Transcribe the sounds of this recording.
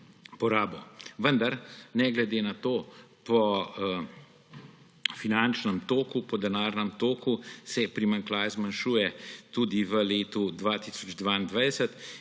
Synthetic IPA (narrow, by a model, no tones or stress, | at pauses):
pɔɾaːbɔʋənd̪aɾnɛɡlɛd̪eːnat̪oːpɔ | finant͡ʃnəmt̪oːkupɔd̪ɛnaːɾnəmt̪oːkusɛpɾimaŋklaːjɛzmanʃuːjɛt̪ud̪iʋəleːt̪ud̪ʋat̪iːsɔd͡ʒd̪ʋaːind̪ʋajd̪ɛsət̪